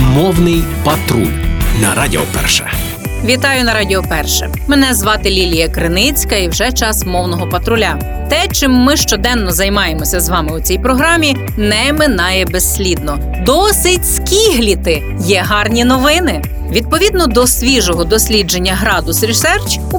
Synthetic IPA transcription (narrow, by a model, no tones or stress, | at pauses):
mɔwnɪjpɐt̪ɾṵlnɐ̰ɾadʲḭɔ̰pɛ̰rʃɛ̰ | ʋʲit̪ɑjʊnɐɾɑdʲiɔpɛrʃɛ̰ | menɛzʋɑt̪ɪlʲilʲijɐkɾɪnɪt͡sʲkɐiwʒɛt͡ʃɑsmɔwnɔɦɔpɐt̪ɾʊlʲa | t̪ɛt͡ʃɪmːɪʃt͡ʃɔd̪ɛnːɔzɐjmɑjemɔsʲɐzʋɑmɪʊt͡sʲijpɾɔɦɾɑmʲi | nɛmɪnɑjɛbesʲːlʲid̪nɔ | d̪ɔsɪtʲsʲkʲiɦlʲit̪ɪ | jɛɦɑrnʲinɔʋɪnɪ | ʋʲid̪̚pɔʋʲid̪̚nɔd̪ɔsʲʋʲiʒɔɦɔd̪ɔsʲlʲid͡ʒe̞nʲːɐɦɾɑd̪ʊsɾʲisɛrt͡ʃʲ